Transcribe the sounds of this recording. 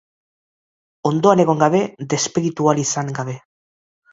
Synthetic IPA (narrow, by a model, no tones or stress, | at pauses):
o̞nd̪o̞ane̞ɣ̞o̞ŋɡaβe̞d̪e̞spiɾit̪ualisaŋɡaβe̞